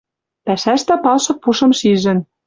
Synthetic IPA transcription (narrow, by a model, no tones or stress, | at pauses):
pæʃæʃt̪æpɑlʃɤ̆k̚puʃɤ̆mʃiʒɘ̆n